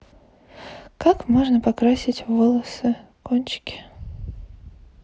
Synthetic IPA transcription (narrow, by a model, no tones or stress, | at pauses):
kakmo̞ʐnəpɐkɾasʲɪtʲvolˠəsɨ | konʲt͡ɕɪ̥kʲɪ̥